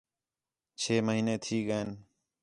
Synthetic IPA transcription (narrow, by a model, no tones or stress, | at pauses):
t͡ʃʰeːməɦiːneːt̪ʰiːɠəeːn